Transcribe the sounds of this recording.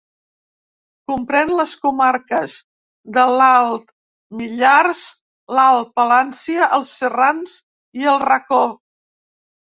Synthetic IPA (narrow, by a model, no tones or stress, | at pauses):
kumpɾɛnləskumaɾkəz | ðəlalˠt̪ | miʎarz | lalˠpəlansiəʔəlˠsːəranz | iəlˠrəko